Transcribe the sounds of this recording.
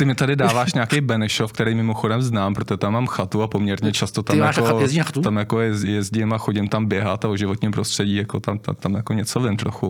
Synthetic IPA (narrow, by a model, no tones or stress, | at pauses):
t̪ɪmɪt̪adɪdaːvaːʃɲaːkejbɛnɛʃofk̚t̪ɛɾɛjmɪmoxodɛmznaːmpɾot̪oʒɛt̪amːaːmxat̪uapomɲɛɾɲɛt͡ʃast̪ot̪aɪmjaʃkoajɛzinaxat̪uamjakojɛzjɛzɟɪmaxoɟɪmt̪ambjɛɦat̪aoʒɪvot̪ɲiːmpɾost̪r̥ɛɟiːjakot̪amt̪a̰t̪amjako̞ɲɛt͡sovɪnt̪ɾoxu